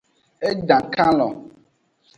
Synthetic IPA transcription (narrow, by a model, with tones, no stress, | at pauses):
e˦ɖã˨kã˦lɔ˨